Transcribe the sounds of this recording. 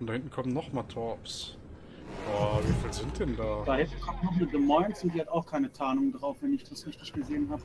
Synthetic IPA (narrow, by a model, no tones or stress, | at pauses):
ʊntdahɪntn̩kʰɔmənːɔχmaːtʰɔɐps | jaːviːfiːlzɪnt̚d̥ɛndaːd̥ahɪ̃ntn̩kʰɔmnɔχmətðəmaɪntsʊntd̥iːhataʊxkʰaɪnətʰaːnʊŋəndʁaʊfvɛnɪçd̥asfɪçtɪʃɡ̥əzeːənɦaːbə